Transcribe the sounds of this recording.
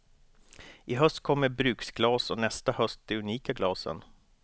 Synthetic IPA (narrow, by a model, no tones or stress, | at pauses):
ʔɪɦœst̪̚kʰɔmːəɾbɾʉ̟ːksɡlɑːsɔnɛst̪ahœst̪̚d̪̥ɛɵniːkaɡlɑːsə̰n